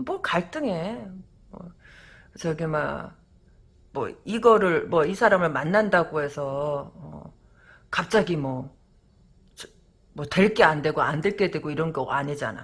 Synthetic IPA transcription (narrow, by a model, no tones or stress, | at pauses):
mʌkaɭt͈ɯŋe̞ | mʌ̰ | t͡ɕʌɡima̰ | mwʌ̰iɡʌɾɯɭmwʌisʰaɾamɯɭmanːandaɡoɦe̞sʰʌʌ̰ | kap̚t͡ɕ͈aɡimwʌ | t͡ɕ | mwʌtwe̞ɭk͈e̞ande̞ɡoandeɭk͈e̞dwe̞ɡoiɾʌnɡʌaɲid͡ʑa̰na̰